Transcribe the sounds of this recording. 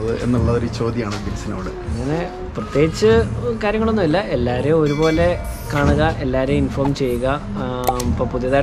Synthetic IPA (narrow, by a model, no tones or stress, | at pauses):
ðɨʔe̞̰nːuɭːɐðoɾut͡ɕo̞ːd̪jaːɳɨd̪inɐsinoːɽɨɐŋːɐne̞ | prɐt̪jeːɡit͡ɕːɨkaːɾjɐŋːɐɭo̞nːumilːɐelːaːɾeoɾubo̞ːle̞ | kaːɳuɣɐʔe̞lːaːɾeinfo̞ːrmt͡ɕe̞jːuɣɐ | popuðjɐðaː